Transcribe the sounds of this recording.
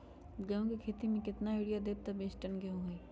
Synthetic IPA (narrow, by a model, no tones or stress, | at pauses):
ɡɐjõkikʰeːt̪imẽkɪt̪naɪːɽijad̪eːb̚t̪abeːsʈənɡeɦũɦiː